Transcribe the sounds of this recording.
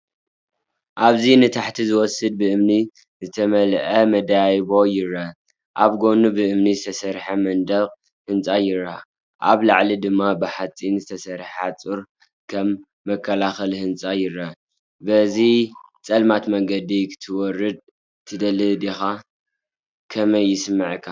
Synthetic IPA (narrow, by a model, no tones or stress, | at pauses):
ʔaβzinɨt̪ʰaħt̪ʰizɨwɔsɨd̪̚bɨʔɨmni | zɨt̪ʰɐmɐlʔɐmɐd̪ajβo̞jɪɾɐ | ʔaβɡo̞nubɨʔɨmnizɨt̪ʰɐsɐɾħamɐnd̪ɐqʼ | hɨnt͡sʼajɪɾa | ʔaβlaʕlid̪ɨmːabɨħat͡sʼinzɨt̪ʰɐsɐɾħat͡sʼuɾ | kʰɐmː | ɐkʰːɐlaxɐlhɨnt͡sʼajɪɾɐ | bɐzit͡sʼɐlmat̪mɐŋɡɐd̪ikʰɨ̥t̪ʰɨwɔrːɨd̪̚ | t̪ʰɨd̪ɐlɨd̪ixa | kʰɐmɐjːɪsɨmːɨʕkʰːa